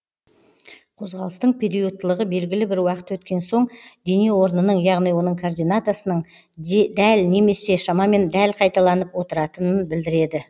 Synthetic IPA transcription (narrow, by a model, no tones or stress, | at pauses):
qʰo̞zʁɑlˠəst̪əɴpʲʰe̞ɾijut̪ːəlˠəʁəbe̞lɡʲɪlɪbɪɾwɑqə̥t̪wɵt̪kʲe̞nso̞ɴd̪e̞newo̞ɾnənəɴjɑʁnijwo̞nəɴkʰord̪ijnat̪asənəɴ | d̪ælne̞me̞se̞ʃɑmɑme̞nd̪ælqʰɑjt̪ɑlˠɑnəpwo̞t̪əɾɑt̪ənənbɪld̪ɪɾe̞d̪ɪ